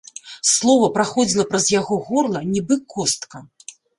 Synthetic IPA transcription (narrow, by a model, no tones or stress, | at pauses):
slˠɔvɐpɾaxɔd͡zʲilˠɐpɾɐzjaɣɔɣɔrlˠɐnʲibɨkɔst̪kɐ